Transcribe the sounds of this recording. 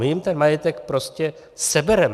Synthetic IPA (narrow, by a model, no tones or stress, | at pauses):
ɪjɪmt̪ɛnmajɛt̪ɛkpɾo̞scɛ | sɛbɛɾɛm